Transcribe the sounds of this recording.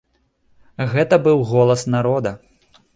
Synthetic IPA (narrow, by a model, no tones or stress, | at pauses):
ɣɛt̪ɐbɨwɣɔlˠɐsnaɾɔd̪ɐ